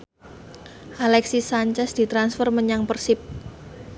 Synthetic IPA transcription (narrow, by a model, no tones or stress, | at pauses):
ʔalɛksisaɲt͡ʃɛsd̪̥i̤t̪ɾansfərməɲaŋpərsɪp̚